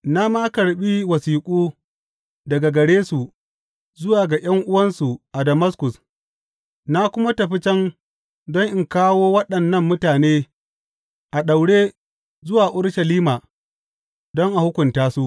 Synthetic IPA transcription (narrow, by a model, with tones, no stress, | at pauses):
na˦ma˦kɐ˨ɽɓiː˦wɐ˨siː˨kʷʼuː˦ | dɐ˨ɡa˨ɡɐ˨ɽeː˦su˨ | zʊ˦waː˨ɡa˨j̰ɐ˦ŋʔʊ˦wɐ˦nsu˨ʔa˨dɐ˨mɐ˦skʊ˨s | na˦kʷʊ˦ma˦tɐ˨ɸi˦t͡ʃɛ˦n | dɔ˦ŋʔɪ˨ŋkaː˦woː˦wɐ˦ɗɐ˨nːɐ˦mːʊ˦taː˨neː˦ | ʔa˨ɗa˨wɽeː˦ | zʊ˦waː˨ʔʊ˦ɽʃɐ˨liː˦ma˨ | dɔ˦ŋʔa˨hʊ˦kʷʊ˨ntaː˦su˦ʔ